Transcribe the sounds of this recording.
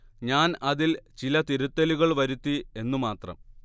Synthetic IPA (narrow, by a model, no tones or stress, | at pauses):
ɲaːnɐðilt͡ɕilɐt̪iɾut̪ːɐluɣɐɭʋɐɾut̪ːie̞nːumaːt̪rɐ̰m